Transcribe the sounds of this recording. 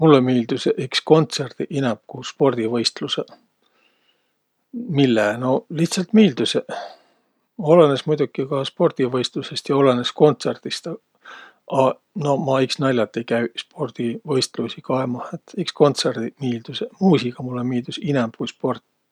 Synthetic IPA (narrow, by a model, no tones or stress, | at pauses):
mulːemiːld̪̥usʔiksko̞nt̪serd̪̥iʔinɛmb̥̚kuspo̞rd̪̥ivɤjst̪luse | milːeno̞liht̪sɑlt̪miːld̪̥use | o̞lenesmujd̪̥ukːikɑspo̞rd̪̥ivɤjst̪luse̞st̪jɑo̞lenesko̞nt̪se̞rd̪̥ist̪ɑ | ʔɑ | no̞mɑiksnɑlʲːɑt̪ːˑejkæɥspo̞rd̪̥ivɤjst̪lusikɑemɑhet̪iksko̞nt̪serd̪̥imiːld̪̥usemuːsiɡ̥ɑmulːemiːld̪̥usinɛmb̥̚kujspo̞rt̪ːˑ